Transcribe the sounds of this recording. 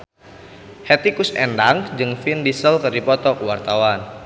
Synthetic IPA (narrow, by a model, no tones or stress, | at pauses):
hɛt̪ikʊsɛndaŋd͡ʒɨŋfindisəlkɨrdipɔt̪ɔkuwart̪awan